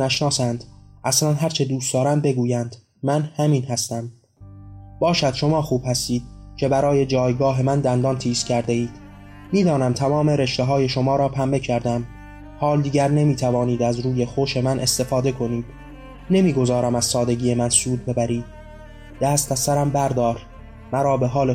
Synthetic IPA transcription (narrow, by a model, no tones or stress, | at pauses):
æʃnɒːsænd̪̥ʔæslænɦæɾt͡ʃʰe̞d̪uːst̪ɒːɾæmd̪̚be̞ɡuːjænd̪̥ | mænhæmiːnhæst̪æm | bɒːʃæd̪̥ʃo̞mɒːxuːb̥hæst̪iːd̪̥̚cʰe̞bæɾɒːje̞d͡ʒɒːjɡɒːɦe̞mænd̪ænd̪ɒːnt̪ʰiːscʰæɾd̪e̞iːd̪̥ | miːd̪ɒːnæmt̪ʰæmɒːme̞ɾe̞ʃt̪eɦɒːje̞ʃo̞mɒːɾɒːpʰæmbe̞cʰæɾd̪æm | hɒːld̪iːɟæɾne̞miːt̪ʰævɒːniːd̪æzɾuːje̞xoʃe̞mænʔest̪e̞fɒːd̪e̞kʰo̞niːd̪̥ | ne̞miːɡo̞zɒːɾæmæz̥sɒːd̪e̞ɡiːemænsuːd̪̚be̞bæɾiːd̪̥̚ | d̪̥æːst̪æsæɾæmbæɾd̪ɒːɾ | mæɾɒːbe̞ɦɒːle